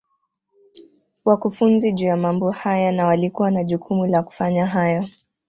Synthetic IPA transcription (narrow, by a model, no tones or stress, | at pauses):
wakufunziʄujamambɔhajanawalikuwanaʄukʰumulaku̥faɲaɦaja